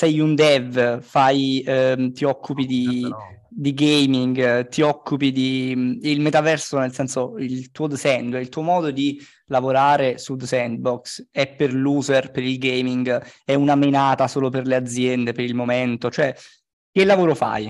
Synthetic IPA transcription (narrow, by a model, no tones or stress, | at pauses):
sɛjund̪ɛvfaj | t̪iɔkʰːupid̪i | d̪iɡejmiŋɡt̪iɔkːupid̪imilmet̪avɛrsonelsɛnsoilt̪uːod̪sɛnd̪ɛilt̪uomɔːd̪od̪i | lavoɾaːɾesud̪sɛnd̪̚bɔksɛpːerluːzerpeɾilɡejmiŋɡɛunamenaːt̪asoːloperlead̪zjɛnd̪epeɾilmoment̪ot͡ʃoɛ | k̟elːavoːɾofa̰j